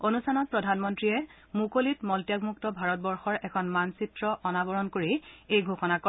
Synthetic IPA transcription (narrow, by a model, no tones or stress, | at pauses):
onustʰanɔt̚pɹɔdʱanmɔntɹiɛ | mukolitmɔltjaɡmuk̚tɔbʱaɹɔt̚bɔɹxɔɹɛkʰɔnmansitɹɔʔɔnabɔɹɔnkoɹiejɡʱoxɔnakɔ